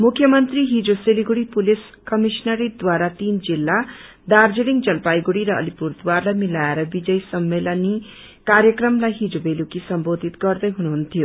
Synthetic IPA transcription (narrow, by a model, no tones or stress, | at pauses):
mukʰːjʌmʌnt̪riɦid͡zoseliɡuɽipulis | kʌmisnaɾid̪waɾat̪ind͡zilːa | d̪ard͡zeɽiŋd͡zʌlpajɡuɽiɾʌʌ̰lipurd̪warlajmilaeɾʌbid͡zʌjsʌmːelʌni | karjʌkrʌmlajɦid͡zobelukisʌmbod̪ʱit̪ɡʌrd̪ʌjɦunuɦunt̪ʰijo